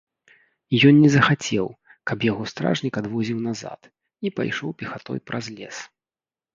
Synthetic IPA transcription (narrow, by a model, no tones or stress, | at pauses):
ijɔnnːʲɛzɐxat͡sʲɛw | kɐpjaɣɔst̪ɾa̰ʐnʲikad̪vɔzʲiwnaza̰t̪ | ipa̰jʂɔwpʲɛxat̪ɔ̰jpɾɐzlʲɛ̰s